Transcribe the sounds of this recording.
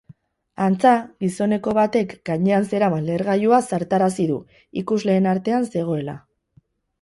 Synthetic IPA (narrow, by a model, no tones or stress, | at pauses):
ant͡saɣiso̞ne̞ko̞βat̪e̞kɡaɲe̞anse̞ɾamanle̞ɾɣajuasaɾt̪aɾas̬iðu | ikuzle̞ːnaɾt̪e̞anse̞ɣ̞o̞e̞la̰